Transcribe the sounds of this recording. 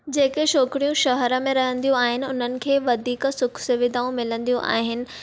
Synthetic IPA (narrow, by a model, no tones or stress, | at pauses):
d͡ʑeːkeʃoːkɪɽijũʃɐɦəɾə̆mẽɾɐɦə̃nd̪ijũaːɦɪnɪ̆ʊn̤ənɪ̆kʰeːʋɐd̪ʱiːkə̆sʊkʰsɪʋɪd̪aːũmɪlə̃nd̪ijũʔa̰ːɦɪnɪ̆